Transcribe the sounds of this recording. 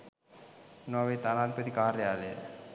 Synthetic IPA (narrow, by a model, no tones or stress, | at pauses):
noʋɐt̪aːnaːd̪ʱipɐt̪ikaːɾɐjaːle